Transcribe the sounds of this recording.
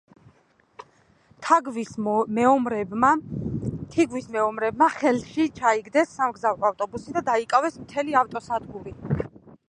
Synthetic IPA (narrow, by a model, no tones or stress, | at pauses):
t̪ʰaɡvi | ɾa | t̪ʰiɡwismɛɔmɾɛbmaχɛlˠʃit͡ʃʰaiɡd̪ɛsːamɡzavɾɔaft̪ʼɔbusid̪ad̪aikʼavɛsmt̪ʰɛliaft̪ʼɔsad̪ɡuɾi